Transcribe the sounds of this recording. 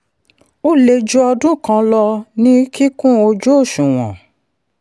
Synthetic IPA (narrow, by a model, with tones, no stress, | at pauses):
o˦le˧d͡ʒu˦ɔ˧dũ˦˨kã˧˦lɔ˧nĩ˦ki˦kũ˦o˧d͡ʒo˦o˦˨ʃũ˨w̃ɔ̰̃˨